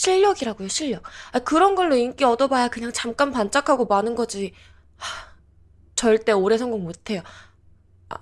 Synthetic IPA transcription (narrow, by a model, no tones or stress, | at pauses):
ɕʰiʎːʌɡiɾaɡojoɕʰiʎːʌk̚akɯɾʌnɡʌɭːoink͈iʌdʌbajakɯɲaŋt͡ɕamk͈anpant͡ɕ͈akʰaɡomanɯnɡʌd͡ʑi | a | t͡ɕʌɭt͈e̞oɾe̞sʰʌŋɡoŋmotʰe̞jo | a̰